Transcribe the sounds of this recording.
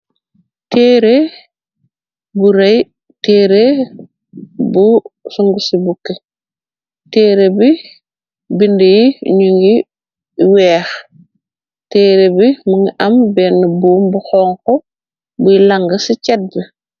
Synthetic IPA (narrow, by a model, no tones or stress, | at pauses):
teːɾe | buɾej | teːɾe | busuŋɡusibukːe | teːɾebi | bindijiɲuŋɡi | wɛːx | teːɾebimuŋʔɐmbɛnːəbuːmbuxɔːŋkɔ | bujilaŋɡɐsicɛt̚bi